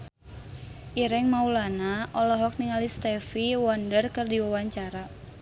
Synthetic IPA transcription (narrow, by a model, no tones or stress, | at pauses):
ʔiɾɛŋmaulanaɔlɔɦɔk̚niŋalist̪ɛfiwɔndərkərdiwawaɲt͡ʃaɾa